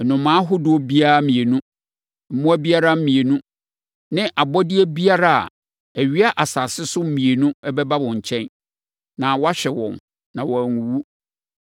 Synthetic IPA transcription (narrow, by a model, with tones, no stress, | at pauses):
ɛ˨nʊ̃˨mãː˦ɦʊ˦dʊ˦o˦bi˦a˦mĩ˨e˨nũ˦ | m̩˦mũ˦æ˦bi˦a˦ɾa˦mĩ˨e˨nũ˦ | nɪ̃˦ʔa˨bɔ˦dɪ˦æ˦bi˦a˦ɾa˦˨a̰˨ | æ˨ɥi˦a˦ʔa˨saː˨sɪ˦sʊ˦m̩˦mĩ˨e˨nũ˦ɛ˦bɛ˦ba˦wɔ̃˨ɲ̩˨t͡ɕʰɛ̃˦n | nã˨wɔ˦a˦ɕᶣɛ˨wɔ̰̃˨n | nã˨wɔ˨æ˨ŋũ˨wu˦